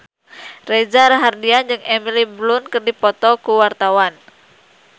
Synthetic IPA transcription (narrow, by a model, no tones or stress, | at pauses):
red͡ʒaɾaɦardiand͡ʒɨŋɛmiliblunkɨrdipɔt̪ɔkuwart̪awan